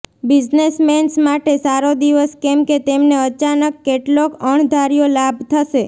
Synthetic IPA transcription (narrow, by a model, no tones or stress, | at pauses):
bid͡ʒnesmensmaʈesaɾod̪iʋəskemket̪emneət͡ʃanəkːeʈlokəɳd̪ʱaɾijolabʱt̪ʰəʃe